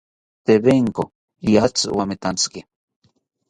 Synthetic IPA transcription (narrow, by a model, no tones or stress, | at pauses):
t̪eβeŋko | iat͡swamet̪ant͡ski